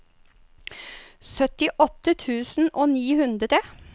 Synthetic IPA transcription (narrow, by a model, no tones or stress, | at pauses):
sœt̪ɪʔɔt̪ət̪ʰʉːsn̩ʔoːniːhʉnd̪ɾət̪ʰe